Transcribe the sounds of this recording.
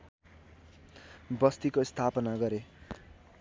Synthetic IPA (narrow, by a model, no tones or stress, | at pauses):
bʌst̪ikost̪ʰapʌnaɡʌɾe